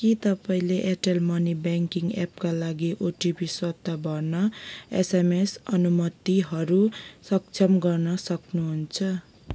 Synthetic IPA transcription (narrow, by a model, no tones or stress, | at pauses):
kit̪ʌpaĩleʔeʈelmʌnibaŋkiŋɡep̚kalaɡiʔoʈibiswʌd̪abʱʌrnʌḛsemesʌnumʌt̪iɦʌɾusʌk̚t͡sʰʌmɡʌrnʌsʌknuɦunt͡sʰʌ